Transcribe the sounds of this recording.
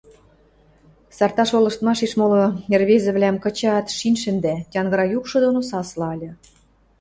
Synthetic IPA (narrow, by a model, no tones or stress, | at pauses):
sɑrt̪ɑʃolɤ̆ʃt̪mɑʃiʃmoloerβezɘ̆βlʲæmkɤ̆t͡ɕɑt̪ʃinʲʃɘ̆nd̪ætʲɑnɡɤ̆ɾɑjukʃɤ̆d̪onosɑslɑɑlʲɤ̆